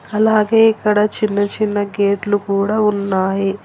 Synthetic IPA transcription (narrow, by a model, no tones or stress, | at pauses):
ɐlaːɡe̞ːikːɐɽɐt͡ʃinːɐt͡ʃinːɐɡe̞ːʈlukuːɽaːunːaːji